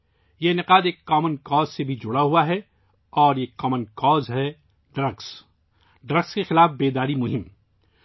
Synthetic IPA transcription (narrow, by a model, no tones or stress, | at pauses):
jeɪnɪqaːd̪eːkːaːmənkɔːzsebʱid͡ʒʊɽaɦuaɦɛ | ɔːɾeːkːɔːmənkɔːzɦɛ | ɖɾəɡs | ɖɾɐɡskexɪlaːfbeːd̪aːɾimʊɦɪm